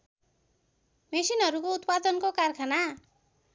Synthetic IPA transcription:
mesinɦʌɾukout̪pad̪ʌnkokarkʰana

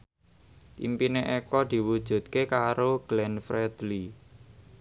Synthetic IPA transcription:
t̪impineʔekɔd̪̥i̤wud̥ʒ̥ṳt̪̚kekaɾoɡ̥lɛnfɾɛd̪̥li

